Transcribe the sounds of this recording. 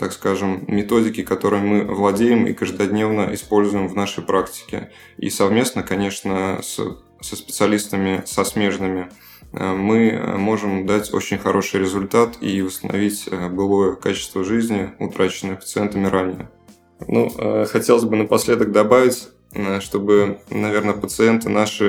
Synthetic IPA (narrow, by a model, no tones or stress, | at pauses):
t̪akskaʐɨmːʲɪt̪o̞dʲɪkʲɪkɐt̪o̞ɾɨjmɨvlˠɐdʲejɪmḭkəʐd̪ɐdʲnʲe̞vnəʔɪspo̞lʲzʊjɪmvnaʂəjpɾaktʲɪ̥kʲɪ̰ | ḭsɐvmʲe̞snəkɐnʲe̞ʂnəs | səspʲɪt̪sɨɐlʲist̪əmʲɪsɐsmʲe̞ʐnɨmʲɪ | ə̰mɨ̰mo̞ʐɨmd̪atʲo̞̰t͡ɕɪnʲxɐɾʔo̞ʂɨjɾʲɪzʊlʲt̪at̪ivəst̪ənɐ̰vʲitʲəbɨlˠojəkat͡ɕɪ̥st̪vəʐɨzʲnʲɪʊt̪ɾat͡ɕɪnːɨjpə̥t̪sɨent̪əmʲɪɾanʲɪjə | nṵəxɐtʲelˠəzʲbɨnəpɐsʲlʲe̞d̪əɡ̚d̪ɐbavʲɪtʲ | ʂt̪o̞bɨnɐvʲe̞rnəpət̪sɨent̪ɨnaʂɨ